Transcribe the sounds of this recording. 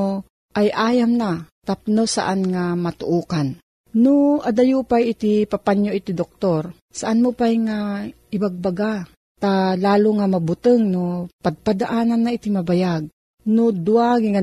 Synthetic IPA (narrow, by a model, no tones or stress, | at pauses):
ʔajʔaːjamnat̪ap̚nosa̰ʔanŋamat̪ʊʔuːkan | nʊʔad̪ajupajɪt̪ipapaɲjoʔɪt̪id̪ok̚t̪oɾ | saʔanmopajŋa | ɪbaɡ̚baɡa | t̪alaːlʊŋamabut̪ɨŋnopaɡ̚pad̪aʔaːnanːait̪imabajaɡ̚ | nod̪ʊaɡiŋa